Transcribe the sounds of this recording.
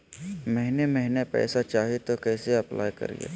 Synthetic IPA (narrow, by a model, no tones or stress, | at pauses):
mɛɦɪnemɛɦɪnepɛ̰ːsat͡ʃaːɦet̪okɛːseɐplʔa̰ːjkɐ̰ɾḭḛ